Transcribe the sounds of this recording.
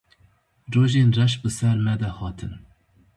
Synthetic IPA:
roːʒeːnrɛʃbɨsɛɾmɛd̪ɛhɑːt̪ʰɨn

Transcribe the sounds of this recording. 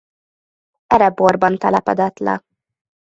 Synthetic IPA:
ɛɾɛborbɒnt̪ɛlɛpɛd̪ɛt̪lɛ̰

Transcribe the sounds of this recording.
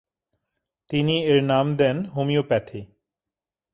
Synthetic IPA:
t̪inieɾnamd̪ɛnɦomiopɛt̪ʰe

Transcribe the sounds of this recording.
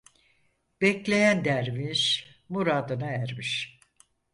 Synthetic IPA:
b̥ɛclʲe̞jænd̪æɾmiʃmuɾaːd̪ɯnaæɾmiʃ

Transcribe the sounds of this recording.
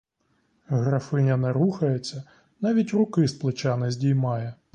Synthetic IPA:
ɣɾɐfɪnʲɐnɛɾuxɐjet͡sʲːɐ | nɑʋʲitʲrʊkɪsplˠɪt͡ʃɑnɪzʲdʲijmɑjɛ

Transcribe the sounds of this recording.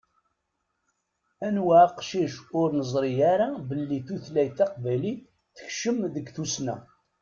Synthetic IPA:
ænwæqʃiʃʊɾnəzˤɾijaɾabəlːiθuθlæjθɑqvæli | θə̥çʃəmðəɡθusnæ̰

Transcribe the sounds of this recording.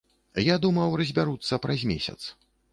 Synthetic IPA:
jad̪umɐwrɐzʲbʲaɾut̪sːɐpɾazʲmʲesʲɐ̰t̪s

